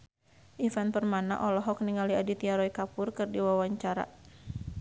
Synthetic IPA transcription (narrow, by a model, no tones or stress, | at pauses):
ʔifanpərmana̰ʔɔlɔɦɔk̚niŋaliadit̪iaɾɔikapʊrkɨrdiwawaɲt͡ʃaɾa̰